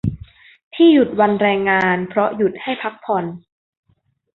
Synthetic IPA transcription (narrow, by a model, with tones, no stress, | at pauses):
t̪ʰiː˥˩ju˨˩t̪̚wa˧nɾɛː˧ŋːaː˧npʰɾɔ˦˥ju˨˩t̪̚ha˥˩jpʰa˦˥k̚pʰɔ˧n